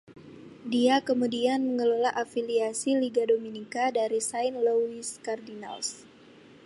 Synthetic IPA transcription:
diakəmudianməŋəlolaʔafiliasiliɡadominikadaɾisainloiskardina̰ls

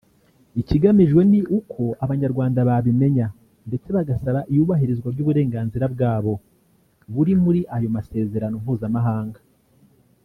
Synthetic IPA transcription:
iciɡamiʒɡwe̞niʔukʰo̞ʔaβaɲaɾɡwaːndaβaβime̞ɲa | nde̞t͡se̞βaɡasaβaʔijuːβaɦiɾizɡwaɾɟuːβuɾe̞ːŋɡaːnziɾabɡaːβo̞ | βuɾimuɾiʔajo̞mase̞ːze̞ɾano̞m̥huːzamaɦaːŋɡa

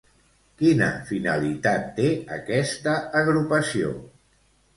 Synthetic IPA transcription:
kinə̰finəlit̪at̪ːeəkɛst̪əːɣɾupəsio̰

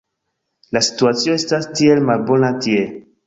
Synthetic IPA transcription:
lasi̥tuatsio̞estastielmalbo̞natie

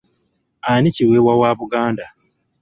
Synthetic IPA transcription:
aniciweːwawaːβuɡaːnda

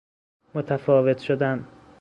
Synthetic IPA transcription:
mot̪ʰæfɒːvet̪ʰʃod̪æn

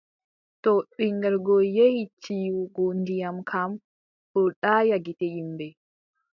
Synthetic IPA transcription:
tɔɓiŋɡɛɾɡɔjehit͡ʃiwɡɔndijamkʰam | ɗɔɗaːjaɡitɛjimbɛ

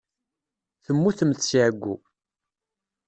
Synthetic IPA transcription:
θəmːuθəməθsiʕəɡʷːu

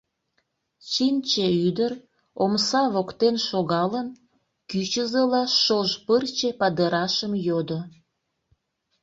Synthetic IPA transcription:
t͡ɕint͡ɕeyd̪ər | omsɑβokt̪enʃoɣɑlən | kyt͡ɕəzəlɑʃoʒpərt͡ɕepɑd̪əɾɑʃəmjod̪o

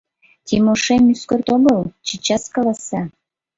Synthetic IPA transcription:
t̪ʲimoʃemyskort̪oɡɤlt͡ɕit͡ɕɑskɑlɑsɑ

